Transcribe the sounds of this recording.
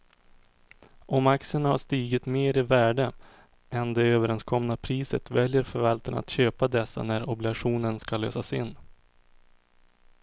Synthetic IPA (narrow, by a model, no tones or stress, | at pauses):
ʔɔmaksɪəɳahaʂt̪iːɡɪt̪meːɾɪvæːɖə | ʔɛnd̪ɛøːvəɾɛnskʰɔmnapʰɾiːsət̪vɛljəɾfœɾvalt̪əɳa̰t̪ɕøːpad̪ɛsːa̰næɾɔblɪɡaɧuːnənskalːø̰ːsasɪnː